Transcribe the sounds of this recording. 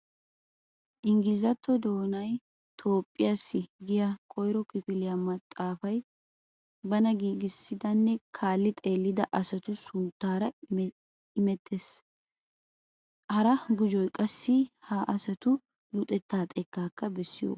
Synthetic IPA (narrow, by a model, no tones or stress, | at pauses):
ʔɪŋɡɪzɐt̪ʰːɔd̪o̞ːnɐj | t̪ʰo̞ːpʼːɪjaːsːɪɡɪjɐkʼɔjɾɔkɪpɪlɪjamɐt̪ʼːaːfɐj | bɐnɐɡiːɡɪsːɪd̪ɐnːɛkʰaːlːɪt̪ʼe̞ːlːɪd̪ɐʔɐsɐt̪ʊsʊnt̪ːaːɾɐ | ɪmɛt̪ːes | hɐɾɐɡʊd͡ʒɔjkʼɐsːɪhaʔɐsɐt̪ʊ | lʊt̪ʼɛt̪ːaːt̪ʼɛkːaːkːɐbɛsːɪjo̰